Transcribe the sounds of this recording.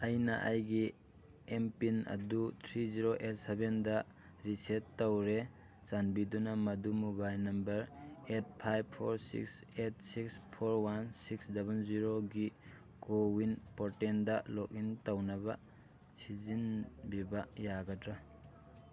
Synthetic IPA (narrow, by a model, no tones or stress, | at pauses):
ɐjnɐʔɐjɡi | empinɐ̰dutʰɾiziɾoʔet̚sebendɐ | ɾisetːɐwɾe | zanbidunɐmɐdumubajnɐmbɐɾet̚pʰajb̚pʰoɾsḭks | et̚sikspʰoɾwansiksdabɐnziɾoɡi | kowinpoɾtendɐlɔk̚intɐwnɐbɐ | sizinbibajaɡɐtɾɐ